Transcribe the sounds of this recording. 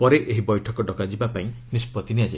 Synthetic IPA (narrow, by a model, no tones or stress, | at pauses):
pɔɾeʔeɦibɔjʈʰɔkɔɖɔkad͡ʒibapaĩnispɔt̪iniad͡ʒae